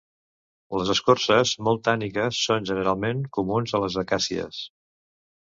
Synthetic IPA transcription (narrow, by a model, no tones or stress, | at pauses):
ləzəskorsəzmolˠt̪anikəsːonʲʒənəɾalˠmeŋkumunzələzβəkasiə̰s